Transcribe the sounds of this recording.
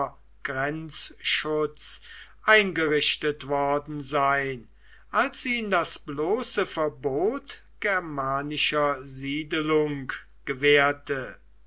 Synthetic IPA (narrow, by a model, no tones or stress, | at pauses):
ɡ̥ʁɛnt͡sʃʊt͡sʔaɪnɡəʁɪɕtətv̥ɔɐdn̩zaɪn | ʔalsiːndasbloːsəfɛɐboːt | ɡ̥ɛɐmaːnɪʃɐziːdəlʊŋk | ɡ̥əvɛːɐtʰə